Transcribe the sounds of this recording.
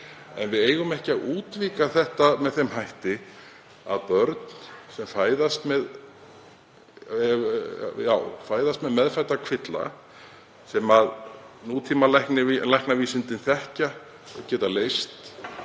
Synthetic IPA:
ɛ̰nvɪðeːjɣʏmɛhcɪaðuːt̪viːkaθɛht̪amɛðθemɦajht̪ɪ | a̰ðpœɾt̪n̥sɛmfaːjðast̪mɛð | jaːwfaːjðast̪mɛðmɛðfajt̪ːakʰv̥ɪt̪la̰ | sɛmaðnuːt̪ʰiːmalɛjhknɪlajhknaviːsɪnt̪ɪnθɛhca | cɛːt̪aleːjst̪

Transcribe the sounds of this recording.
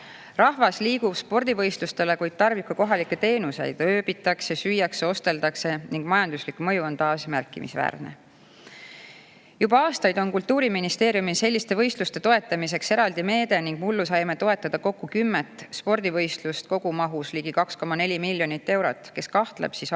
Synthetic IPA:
rɑhvɑsliːɡubspo̞rd̪̥ivɤ̞jst̪lust̪e̞le̞kujd̪̥̚t̪ɑrvikːuko̞ɦɑlikːˑet̪e̞ːnuse̞jd̪̥øːbit̪ːˑɑksesyjːɑkseo̞st̪e̞ld̪ɑkse̞niŋɡ̥mɑjɑnd̪̥uslikmɤ̞juo̞nt̪ɑːsmærkːˑḭmḭsvæ̰ːrnḛ | jubɑɑːst̪ɑjd̪o̞nkult̪ːuːɾiminist̪e̞ːɾjumise̞lʲːist̪e̞vɤ̞jst̪lust̪e̞t̪o̞e̞t̪ːˑɑmis̬e̞kse̞ɾɑld̪̥ime̞ːd̪̥e̞niŋɡ̥mulːusɑjmet̪o̞e̞t̪ːˑɑd̪̥ɑko̞kːukymːet̪ˑːspo̞rd̪̥ivɤ̞jst̪lust̪ko̞ɡ̥umɑɦusliːɡ̥ikɑksko̞mɑnelʲimilʲːjo̞nit̪ːe̞wɾot̪ːˑke̞skɑht̪lḛb̥sis

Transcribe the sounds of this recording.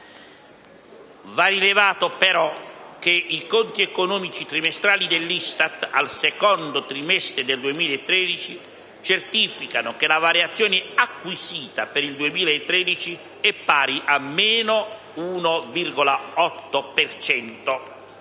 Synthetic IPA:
varilevaːt̪opɛɾɔk̟eikɔnt̪iɛkonɔːmit͡ʃit̪ɾimɛst̪ɾaːlid̪elːist̪at̪a̰lsɛkɔnd̪ot̪ɾimɛst̪ɾɪd̪eld̪uemiːlaet̪ːɾɛːd̪it͡ʃi | t͡ʃert̪ifikanokelavaɾjat̪sːjɔːnɪakːwisiːt̪apeɾild̪uemiːlaet̪ːɾɛd̪it͡ʃi | ɛpːaːɾiʔamːeɛːno | uːnovirɡolaɔt̪ːopɛrt͡ʃɛnt̪o

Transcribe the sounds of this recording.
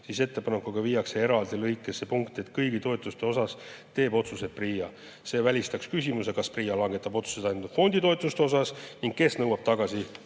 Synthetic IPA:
sise̞t̪ːˑe̞pɑnekːuɡ̥ɑviːjɑksee̞ɾɑld̪ilɤjkːˑese̞puŋkt̪e̞t̪kɤjɡit̪o̞et̪ːˑust̪e̞o̞sɑst̪e̞ːbo̞t̪suset̪̚priːjɑ | se̞ːvælʲist̪ɑkskysʲimuse̞kɑspriːjɑlɑŋɡ̥e̞t̪ːˑɑbo̞t̪su̥se̞t̪ɑjnd̪ud̪̥fo̞nʲd̪̥it̪o̞et̪ˑlust̪eosɑsniŋɡ̥̚ke̞snɤwɑb̥t̪ɑɡ̥ɑsi

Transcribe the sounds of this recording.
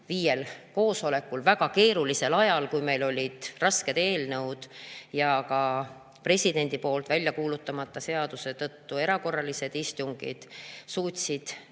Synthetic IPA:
viːje̞lko̞ːso̞le̞kːulvæɡ̥ɑke̞ːɾulise̞lɑjɑlkujme̞jlo̞lʲid̪̥rɑske̞d̪e̞ːlnɤwd̪̥jɑkɑ | pre̞sʲid̪̥e̞nʲd̪̥ipo̞ːlt̪vælʲjɑkuːlut̪ːɑmɑt̪ːˑɑse̞ɑd̪̥use̞t̪ɤt̪ːue̞ɾɑko̞rːɑlise̞d̪ist̪uŋɡ̥ḭd̪̥suːt̪ʲsid̪̥

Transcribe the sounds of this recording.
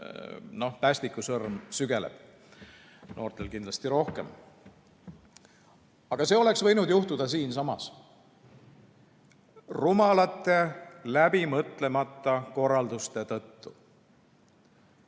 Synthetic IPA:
no̞hp̪æːsʲt̪ikːˑusɤrmsyɡe̞lḛb̥ | no̞̰ːrt̪e̞lkind̪lɑst̪iɾo̞hke̞̰m | ɑɡ̥ɑse̞ːo̞le̞ksvɤ̞jnud̪juht̪ud̪̥ɑsiːnsɑmɑ̰s | rumɑlɑt̪ːˑe̞læbimɤt̪ˑle̞mɑt̪ˑːɑko̞rːɑld̪ust̪e̞t̪ɤ̞t̪ːu

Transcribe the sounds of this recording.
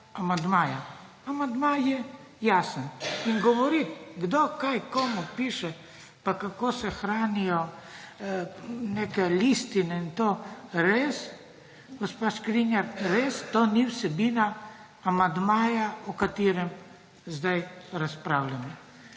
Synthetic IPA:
amand̪maːja | amand̪majɛjasəniŋɡɔʋɔɾit̪ɡd̪okajkomupiʃɛ | pakakoːsɛxɾaːnijɔ | nekɛlist̪inɛint̪oɾeːs | ɡɔspaʃkɾinjaɾɾeːst̪oniwsɛbinaː | mand̪maːjaɔkat̪iːɾɛm | zd̪ajɾaspɾawlʲanɔ

